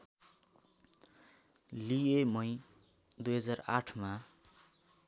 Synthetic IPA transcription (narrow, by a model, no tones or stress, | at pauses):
liemʌj | d̪ujɦʌd͡zara̰ʈʰma